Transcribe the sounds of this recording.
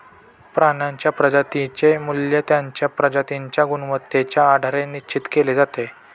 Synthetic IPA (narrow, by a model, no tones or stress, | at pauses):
pɾanaɲt͡ɕjapɾəd͡ʑat̪it͡ɕemuljət̪jaɲt͡ɕjapɾəd͡ʑat̪iɲt͡ɕjaɡunʋət̪ːet͡ɕjaːɖʱaɾenit͡ɕit̪keled͡zat̪e